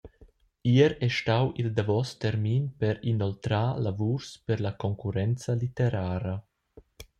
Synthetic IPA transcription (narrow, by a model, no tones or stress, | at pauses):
iəɾɛʃtawʔild̪avɔst̪ɛɾminpɛɾinɔlt̪ɾaːlavuɾspɛɾlakɔŋkuɾɛnt͡salit̪eɾaːɾa